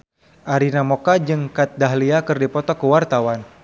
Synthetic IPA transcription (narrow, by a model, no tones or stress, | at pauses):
ʔaɾinamɔkad͡ʒɨŋkat̪̚daɦliakɨrdipɔt̪ɔkəwart̪awan